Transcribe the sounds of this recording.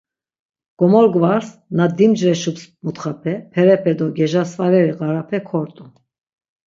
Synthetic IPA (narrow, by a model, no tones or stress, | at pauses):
ɡ̥ɔmɔɾɡvaɾsnad̪imd͡ʒɾɛʃupsmut̪χapʰɛpʰɛɾɛpʰɛd̪ɔɡɛʒasvaɾɛɾiɣaɾapʰɛkʰɔɾt̪ʼu